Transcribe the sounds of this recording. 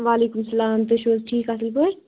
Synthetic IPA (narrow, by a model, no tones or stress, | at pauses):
ʋaːleːkumsɐlaːmt̪ɐʃoːzʈʰiːkasɐlpɐɾ